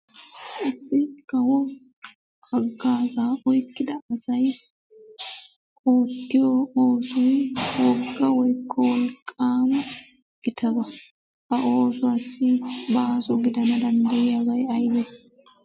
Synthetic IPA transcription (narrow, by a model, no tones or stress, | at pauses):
ʔɐsːɪkɐwɔ | ɐɡːaːsaːʔɔjkːɪd̪ɐːsɐj | kʼoːt̪ːɪjɔoːsʊjwɔɡːɐwɔjkʰːɔwɔlkʼːaːmɐ | ɡ̥ɪt̪ɐbɐ | ɐʔoːsʊɐsːɪbasɔɡɪd̪ɐnɐd̪ɐnd̪ɐjɪjabɐjɐjbɛ